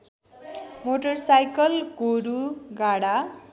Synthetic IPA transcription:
moʈʌrsajkʌlɡoɾuɡaɽa

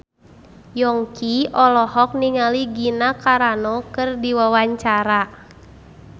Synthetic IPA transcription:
jɔŋkiɔlɔhɔk̚niŋaliɡinakaɾanɔkɨrdiwawaɲt͡ʃaɾa

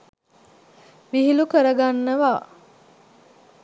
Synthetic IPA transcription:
ʋiɦilukəɾəɡanːəʋaː

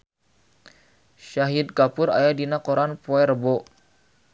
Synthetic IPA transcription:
ʃaɦid̪̚kapʊɾa̰jadinakoɾanpoɛrbo

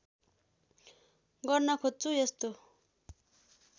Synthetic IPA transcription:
ɡʌrnʌkʰot͡sujʌst̪o

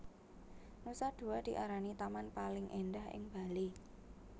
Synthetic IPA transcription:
nusad̪̥ṳad̪̥i̤ʔaɾanit̪amanpalɪŋʔendahɪ̰ŋb̥a̤li

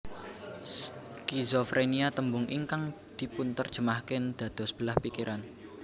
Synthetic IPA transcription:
kizofɾʔeniat̪əmbʊŋʔḭŋkaŋd̪̥i̤punt̪ərd̥ʒ̥ə̤mahkɪnd̪̥ä̤d̪̥ɔ̤sə̥b̥əlahpikiɾʔan

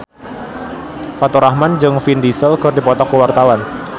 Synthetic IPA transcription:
fat̪uɾahmand͡ʒɨŋfindisəlkərdipɔt̪ɔkəwart̪awan

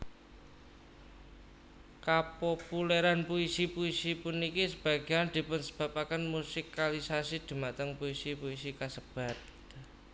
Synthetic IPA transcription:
kapopuleɾanpuisipuisipunikisəb̥a̤ɡ̥iand̪̥i̤pʊnsəb̥ä̤pakənmusikalisasid̪̥i̤maʔt̪əŋpuisipuisikasəb̥a̤t̪̚

